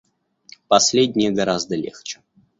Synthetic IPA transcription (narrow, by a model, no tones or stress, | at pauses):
pɐsʲlʲedʲnʲɪjəɡɐɾazd̪əlʲḛxt͡ɕɪ̥